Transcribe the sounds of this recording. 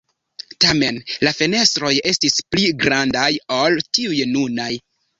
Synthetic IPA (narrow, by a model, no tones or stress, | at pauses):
tame̞nlafene̞stɾo̞je̞stispliɡɾandajoltiujnunaj